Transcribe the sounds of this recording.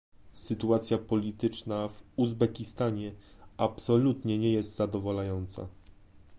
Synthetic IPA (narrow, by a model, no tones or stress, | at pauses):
sɘt̪uat̪sʲjapɔlʲit̪ɘt͡ʂnavuzbɛkʲist̪aɲɛapsɔlut̪ɲɛɲɛjɛst̪zad̪ɔvɔlajɔnt̪sa̰